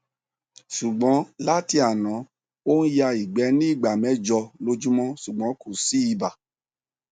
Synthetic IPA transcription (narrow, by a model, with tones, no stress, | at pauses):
ʃu˨ɡ͡bɔ̃˨˦la˦ti˧a˨nã˨˦ | o˦n̩˦ja˧i˨ɡ͡bɛ˨˦nĩ˦i˦˨ɡ͡ba˨mɛ̃˨˦d͡ʒɔ˧lo˧d͡ʒu˦mɔ̃˦ʃu˨ɡ͡bɔ̃˨˦ku˦˨si˦i˧ba˨